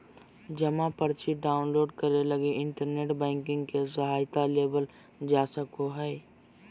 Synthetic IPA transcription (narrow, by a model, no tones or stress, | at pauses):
d͡ʒɐmãpəɾt͡ʃiɖaːʊnloːɖkəɾelɐɡeʔɪ̃ɳʈəɾneːʈbɛ̃ːŋkɪ̃ŋɡkesɐɦaːjt̪aleːbəl | d͡ʒaːsəkoɦɛː